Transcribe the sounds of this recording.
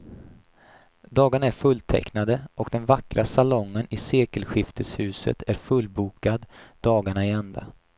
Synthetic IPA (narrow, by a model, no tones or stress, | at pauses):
d̪ɑːɡaɳaæɾfɵlt̪ʰɛ̰knad̪əʔɔkd̪ɛnvakɾʔasalɔŋːənɪseːkəlɧɪft̪ʰəshʉ̟ːsə̰t̪ʰæɾfɵlbuːkad̪d̪ɑːɡaɳaɛɛnd̪a̰